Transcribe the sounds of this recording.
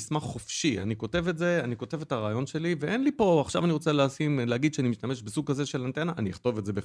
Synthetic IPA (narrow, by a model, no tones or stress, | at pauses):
smaχχofʃia̰niko̞te̞vetze̞aniko̞te̞vetaʁaːjo̞nʃe̞liveʔenlipo̞aχʃavaniʁot͡seleasimleaɡid̪ʃeanimiʃtame̞ʃbesuɡ̚kaze̞ʃe̞lant̪enaʔanijiχt̪o̞vetze̞be